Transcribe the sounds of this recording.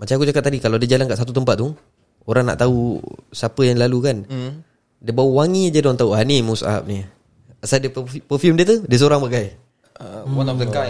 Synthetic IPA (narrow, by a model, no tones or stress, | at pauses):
mat͡ʃaŋakud͡ʒakat̪̚ːadikalawadad͡ʒalankaʔsat̪̬ut̪əmpat̪̚ːu | oɾaŋna̰ʔt̪ausapəjaŋlalukan | diəbawəwaŋidədɔnt̪auɦanimusa̰p̚ni | asadiəpəfjumdiət̪udiəs̬oɾaŋbaɡaj | t̪əka